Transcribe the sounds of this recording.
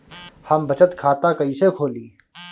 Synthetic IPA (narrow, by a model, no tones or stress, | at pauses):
həmbət͡ʃət̪kʰaːt̪akɐisekʰoːliː